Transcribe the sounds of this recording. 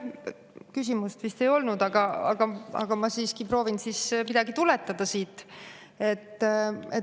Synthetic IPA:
kys̬ʲimust̪vist̪e̞jo̞lnud̪ɑɡ̥ɑɑ̰ɡ̥ɑɑ̰ɡ̥ɑmɑsiːskipɾo̞ːvinsiːsmid̪̥ɑɡit̪ulɛt̪ːˑɑd̪̥ɑsiːt̪ːˑ | e̞t̪ːe

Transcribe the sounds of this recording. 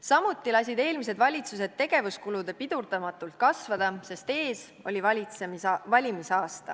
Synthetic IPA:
sɑmut̪ːˑilɑs̬ʲid̪e̞ːlmise̞d̪vɑlʲit̪sus̬e̞d̪̥̚e̞ɡ̥e̞vuskulud̪epid̪̥urd̪̥ɑmɑt̪ːˑult̪̚kɑsvɑd̪̥ɑse̞st̪e̞ːs | o̞̰lʲivɑlʲit̪sevɑlʲimisɑːst̪ɑ

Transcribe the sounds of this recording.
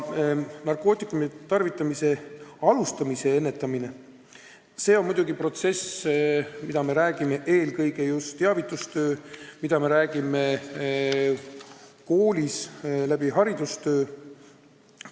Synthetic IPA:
nɑrkˑo̞ːt̪ˑikːˑumit̪ɑrvit̪ːˑɑmise̞ɑlust̪ɑmise̞e̞nːe̞t̪ːˑɑmine̞ | se̞ːo̞nmud̪̥uɡ̥ipro̞t̪se̞s | mid̪̥ɑme̞ɾæːɡ̥ime̞ʔe̞ːlkɤjɡ̥e̞just̪ːeɑvit̪ːˑust̪ø̞ːmid̪̥ɑme̞ɾæːɡ̥ime̞ | ko̞ːlʲislæb̥iɦɑɾid̪ust̪ø̞ː

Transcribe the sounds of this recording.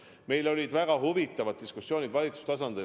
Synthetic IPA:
me̞jlo̞lʲid̪̥væɡ̥ɑɦuvit̪ːˑɑvɑd̪̚d̪iskusːjo̞ːnʲid̪vɑlʲit̪su̥st̪ɑsɑnd̪̥i

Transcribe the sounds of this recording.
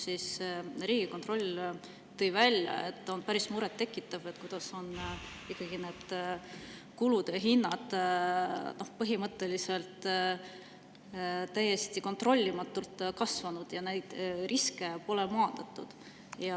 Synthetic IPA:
sisɾiːɡ̥iko̞nt̪ro̞lʲ | t̪ɤ̞jvælʲjɑ̰e̞̰t̪ˑːo̞npæɾismuɾet̪ːe̞kːˑit̪ːˑɑve̞t̪̚kujd̪̥ɑso̞n | ikːɑɡ̥ine̞ːd̪̥ | kulud̪̥jɑɦinːɑd̪̥ | no̞hpɤɦimɤt̪ːˑe̞lise̞lt̪ | t̪æjːe̞st̪iko̞t̪ro̞lʲːimɑt̪ːˑult̪ːkɑsvɑnud̪̥jɑne̞jd̪̥rʔiske̞po̞lemoɑnd̪̥ɑt̪ːˑud̪̥ | jɑ

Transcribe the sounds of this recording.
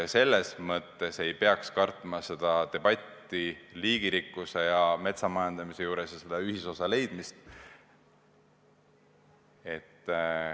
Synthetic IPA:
se̞lːesmɤt̪ːe̞se̞jpeɑkskɑrt̪ˑmɑse̞d̪̥ɑt̪e̞b̥ɑt̪ːˑiliːɡ̥iɾikːˑuse̞jɑme̞t̪sɑmɑjɑnd̪̥ɑmise̞juːɾe̞sjɑsed̪̥ɑyhiso̞sɑle̞jd̪̥mist̪ | e̞t̪ːˑ

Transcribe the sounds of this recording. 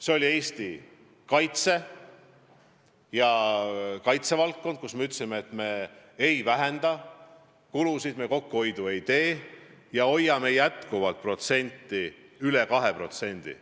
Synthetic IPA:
seo̞lʲie̞ːst̪i | kɑjt̪se̞ | jɑ | kɑjt̪se̞vɑlt̪̚kːo̞nd̪̥̚kusme̞yt̪ːˑsimeːt̪ːˑme̞ejvæɦe̞nd̪̥ɑ | kulusid̪̥meko̞kːuo̞jd̪ue̞jt̪e̞ːjɑo̞jːɑme̞jæt̪kuvɑlt̪̚pro̞t̪se̞nʲt̪ːˑiyle̞kɑɦe̞pro̞t̪se̞nʲd̪̥ḭ

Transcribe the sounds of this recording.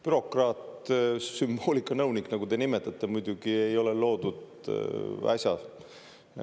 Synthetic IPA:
pyɾo̞krɑːt̪symb̥o̞ːlʲikːˑɑnɤwniknɑɡut̪enimet̪ːˑɑt̪ːˑe̞mujd̪̥ʲuɡ̥ie̞jo̞lelo̞ːd̪ud̪̥ | ɑ̰sʲjɑ

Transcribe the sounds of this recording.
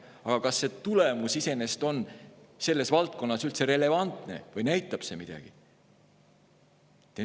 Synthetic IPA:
ɑɡ̥ɑkɑsːe̞t̪ule̞musise̞ne̞st̪o̞nse̞lːe̞svɑlt̪̚ko̞nːɑsylt̪se̞ɾe̞le̞vɑnt̪ˑne̞̰vɤjnæjt̪ːˑɑb̥se̞mid̪̥ɑ̰ɡ̥i | t̪e

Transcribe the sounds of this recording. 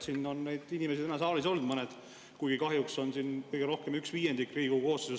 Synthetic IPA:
sinːo̞nnejd̪̥inʲimesid̪enɑsɑːliso̞ld̥̪mɤnɛd̪̥ | kujɡ̥ikɑɦjukso̞nsinkɤjɡ̥eɾo̞hke̞myksviːjend̪ikːˑriːɡ̥uko̞ːst̪ese

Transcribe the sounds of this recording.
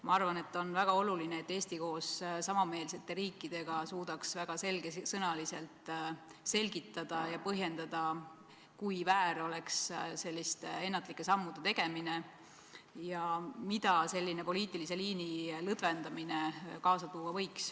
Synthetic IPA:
mɑɑrvɑne̞t̪ːo̞nvæɡ̥ɑo̞lulineet̪ːe̞ːst̪iko̞ːssɑmɑme̞ːlset̪ːe̞ɾiːkːˑid̪̥e̞ɡ̥ɑsuːd̪̥ɑksvæɡ̥ɑselɡ̥esɤnɑlise̞lt̪se̞lɡ̥it̪ːˑɑd̪̥ɑjɑpɤɦje̞nd̪̥ɑd̪̥ɑ | kujvæːɾo̞le̞ksse̞lʲːist̪ee̞nːɑt̪ˑlikːˑe̞sɑmːud̪̥e̞t̪eɡ̥e̞mine̞ | jɑmid̪̥ɑse̞lʲːinepo̞liːt̪ːˑilise̞liːnilɤd̪̥ve̞nd̪̥ɑmine̞kɑːsɑt̪uːɑvɤ̞jks

